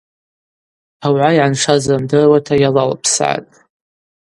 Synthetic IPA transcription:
awʕajʕanʂazamdɨrwatʰajalalpʰsa̰tʼ

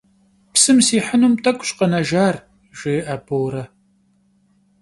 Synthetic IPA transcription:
psɨmsiːħənumtʰʼɐkʷʼɕʼqɐnɐʒaːr | ʒ̥ɪʔaːbowɾɐ

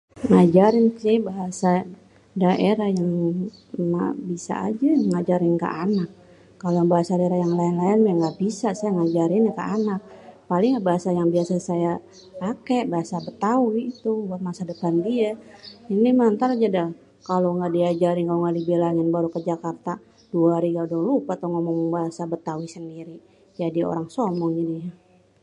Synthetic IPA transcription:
ŋad͡ʒaɾɪnsɪbaɦasa | daʔeɾahjaŋ | ma̰bisa̰a̰d͡ʒaŋad͡ʒaɾɪnkə̰ʔanak̚ː | alobaɦasadaeɾajaŋlaɪnlaɪnmɛŋɡaʔbisasajaŋad͡ʒaɾɪnjakə̰ʔanak̚palɪŋabaɦasajaŋbiasasaja | pakebaɦasabət̪awiːt̪ubuat̪̚masadəpandiainimant̪aɾad͡ʒada | kaloŋɡaʔdiad͡ʒaɾɪnkaloŋɡaʔdibelaŋanbaɾukəd͡ʒakart̪a | d̥uaɦaɾiɡaudɔŋlupat̪aŋomɔŋŋbaɦasabət̪awisəndiɾi | d͡ʒadiao̰ɾaŋsɔmɔŋinija

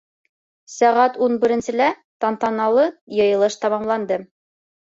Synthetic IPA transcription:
sæʁæt̪unbɘ̆ɾɘ̆nsɘ̆læ | t̪ɑnt̪ɑnɑlˠɤjɤ̆jɤ̆lˠɤʃt̪ɑmɑmlˠɑnd̪ɤ

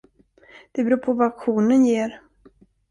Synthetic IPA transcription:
d̪̥ɛbɾuːpʰɔvaakɧuːnənjeːɾ

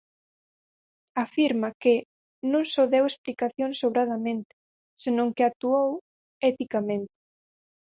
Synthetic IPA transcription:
afiɾmakɪ | nõŋsoðɛwesplikaθjoŋsoβɾað̞ɐmẽnt̪ɪ̥ | senõŋkɪak̚t̪uow | ɛt̪ikamẽnt̪ɪ̥

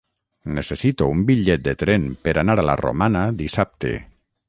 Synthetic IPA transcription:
nesesit̪oumbiʎɛt̪̚d̪et̪ɾɛmpeɾanaɾala̰ro̰manaðisap̚t̪ḛ

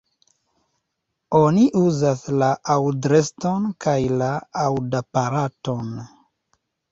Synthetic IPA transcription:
o̞niʔuzaslaʔawdɾesto̞nkajlaawdapaɾato̞n

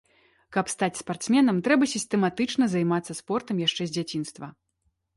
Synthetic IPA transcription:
kɐpst̪at͡sʲspart̪smʲɛnɐmt̪ɾɛbɐsʲisʲt̪ɛmat̪ɨt͡ʂnɐzajmat̪sːɐspɔrt̪ɐmjaʂt͡ʂɛzʲd͡zʲat͡sʲin̪st̪vɐ

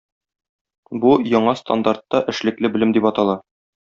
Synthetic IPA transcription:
bujɒɴɑst̪a̰nd̪art̪ːɑʔɘ̆ʃlɘ̆klɘbɘ̆lɘmd̪ipɒt̪ɑlˠɑ

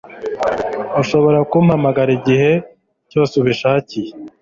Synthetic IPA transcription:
uʃo̞βo̞ɾakumhamaɡaɾiɟihe̞ | cosuβiʃaːcije

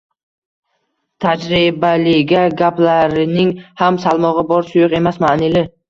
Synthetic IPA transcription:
t̪ʰad͡ʒɾɪbalɪɡʲaɡʲaplaɾɪnɪŋhamsalˠmɒʁɨbɒɾsʊjʊqe̞masmaʔnɪlɪ

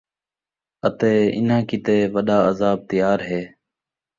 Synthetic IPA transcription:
ət̪eːɪ̰nãːkɪt̪eːʋəɗaːəzaːb̚t̪əjaːɾɦeː

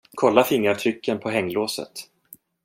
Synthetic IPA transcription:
kʰɔlːafɪŋːɾaʈ̪ʰɾʏkʰːənpʰɔɦɛŋːloːsə̰t̪

